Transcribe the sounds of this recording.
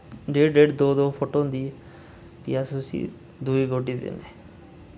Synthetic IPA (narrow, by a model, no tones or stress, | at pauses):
ɖeːɖeːɖd̪oːd̪oːpʰoːʈõd̪iː | pɪjasʊsḭː | d̪uiːɡoːʈiːd̪ḛːneː